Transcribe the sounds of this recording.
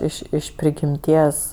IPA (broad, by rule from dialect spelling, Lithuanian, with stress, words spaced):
ˈɪʃ ɪʃ pʲrʲɪɡʲɪmʲˈtʲiɛs